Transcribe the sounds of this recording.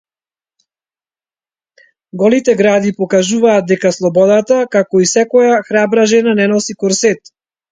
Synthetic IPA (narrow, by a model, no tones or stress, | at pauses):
ɡɔlit̪ɛɡɾad̪ipɔkaʒuvaːd̪̚d̪ɛkaslˠɔbɔd̪at̪akakɔisɛkɔjaxɾabɾaʒɛnanɛnɔsikɔɾsɛt̪